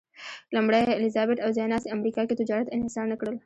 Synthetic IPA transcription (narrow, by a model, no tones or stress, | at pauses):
lɐmbɽaɪlɪzaːbeʈɐwzɛːnaːseɐmɾiːkaket̪ʊd͡ʒaːɾət̪ɪnɦɪsaːɾnɐkɽəl